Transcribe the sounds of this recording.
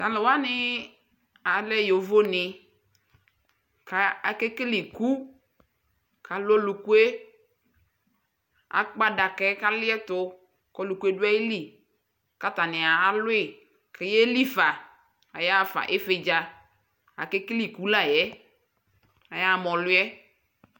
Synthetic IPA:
ta˨lɪ˨wa˦nɪ˦ | a˨lɛ˦˨jo˨vo˦nɪ˨ | ka˦a˨ke˦ki˦li˨ku˦ | ka˨lo˦lu˨ku˦e˦ | a̰˨k͡pa˦da˨kɛ˦ka˦lɪ˦ɛ˦tʊ˨ | kɔ˦lu˨ku˦e˦dwa˦je˦li˨ | ka˦t̪a˨nɪ˨a˨a˦lʊ˦ɪ˨ | kɛ˦jɛ˦li˦fa˨ | a˨ja˦˨fa̰˨ʔe˦fe˨d͡ʒa˨ | a̰˨ke˦kli˨ku˦la˨jɛ˦ | a˨ja˦˨mɔ̃˨lʊ˦ɛ˦

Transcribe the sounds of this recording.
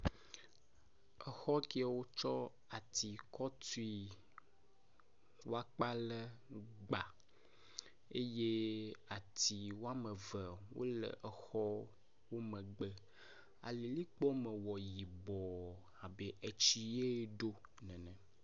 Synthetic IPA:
ɛ˨xɔ˦ki˦a˨wo˦t͡ʃɔ˦ | a˨t̪ʰi˨kɔ˦t̪u˦i˨ | wo˦a˦k͡pa˦lɛ˦ɡ͡ba˨ | e˦je˦a˨t̪i˨wo˦a˦mɛ˨vɛ˨wo̰˦lɛ̰˨ʔɛ˨xɔ˦ | wo˦mɛ̃˨ɡ͡bə˦ | a̰˨li˨li˦k͡pɔ˦mɛ̃˨wɔ˨ji˨bɔ˨ | a˨be˨ʔe˨t͡ɕi˦je˦ɖo˦ | nɛ̃˨nɛ̃˨

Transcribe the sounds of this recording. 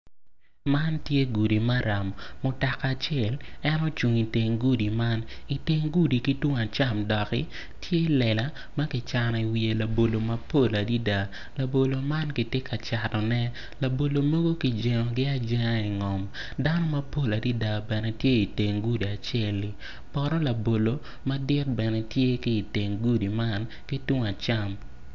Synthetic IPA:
ma˦ntje˦ɡu˨di˨ma˦ɾa˨mːʊ˨ta˨ka˨t͡ʃɪɛ˦˨lɛ˦nɔ˦t͡ʃu˨ŋi˨te˨ŋɡu˦di˨ma˦ni˨te˦ŋɡu˦di˨ki˦twʊ˦ŋa˨t͡ʃa˦˨mdɔ˨kɪ̰˦ | tʰje˦lɛ˨la˨˦ | ma˦kɪ˦t͡ʃa˨nɔ˨i˨wi˨e˨la˨bo˨lo˨mɐ˦po˦˨la˨di˦da˨ | la˨bo˨lo˨ma˦nkɪ˨tje˦kʰa˨t͡ʃa˨tɔ˨nɛ˦ | la˨bo˨lo˨mo˦ɡo˦ki˨˦d͡ʒɛ˨ŋɔ˨ɡɪ˦a˦d͡ʒɛ˦ŋa˦i˨ŋɔ˨m | da˦nɔ˦mɐ˦po˦la˨di˦da˨bɛ˨nɛ˨tje˦i˨te˨ŋɡu˦di˨a˨t͡ʃɛ˦˨li˨ | pɔ˨ɾɔ˦la˨bo˨lo˨ | mɐ˦dɪ˦t̚bɛ˨nɛ˨tje˦kiː˦˨te˨ŋɡu˦di˨ma˦n | ki˦twʊ˦ŋa˨t͡ʃa˦m

